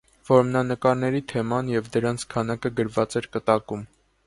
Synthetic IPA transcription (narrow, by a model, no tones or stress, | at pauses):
vɔɾmnɑnəkɑɾnɛɾit̪ʰɛmɑnjɛvd̪əɾɑnt͡sʰkʰɑnɑkəɡəɾvɑt͡sɛɾkət̪ɑkum